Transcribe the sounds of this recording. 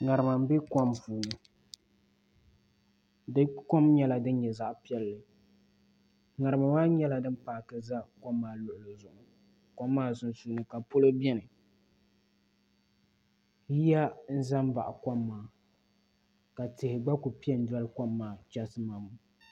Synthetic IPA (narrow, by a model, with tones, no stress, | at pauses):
ŋa˨ɾɨ˨ma˨m˦be˦kɔ˦mpuː˨nɨ˨ | dɨ˦kɔ˦mɲɛ˦la˨dɨ˦n˦ɲɛ˨za˦ʔpi˦ɛ˦lːɨ˨ | ŋa˨ɾɨ˨ma˨maː˦ɲɛ˦la˨dɨ˦m˦paː˨kɨ˦za˦kɔ˦mːaː˦lʊ˨ʔʊ˨lɨ˨zʊ˨ʔʊ˨ | kɔ˦mːaː˦˨zʊ˨nsu˦nɨ˨ka˨po˦lo˦bjɛ˦nɨ˨ | ji˦a˦n̩˦za˦m˦ba̰˨ʔa˨kɔ˦mːaː˨ | ka˨tɪ˨hɪ˨ɡ͡ba˦ku˨pi˦ɛ˦n̩˦da˦lkɔ˦mːaː˦˨t͡ʃa˦sɨ˦ma˨mʊ˨